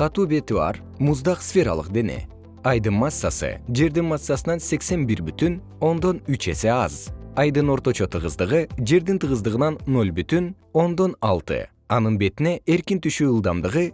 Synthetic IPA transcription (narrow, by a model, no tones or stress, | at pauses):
qʰɑt̪uːbe̞t̪yɑ̰ɾ | muzd̪ɑqsfʲe̞ɾɑ̰lˠɯ̰qd̪e̞ne̞̰ | ɑjd̪ɯnmasːa̰sɯ̰d͡ʒe̞ɾd̪inmasːasɯnɑnse̞kse̞nbiɾbyt̪yn | o̞nd̪o̞nyt͡ʃe̞se̞ɑ̰zɑjd̪ɯno̞ɾt̪o̞t͡ʃo̞t̪ʰɯʁɯzd̪ɯʁɯd͡ʒe̞ɾd̪int̪ʰɯʁɯzd̪ɯʁɯnɑnːo̞lʲbyt̪yn | o̞nd̪o̞nɑlˠt̪ɯ̰ | ɑnɯnbe̞t̪ine̞ʔe̞ɾkint̪yʃyːɯlˠd̪ɑmd̪ɯʁɯ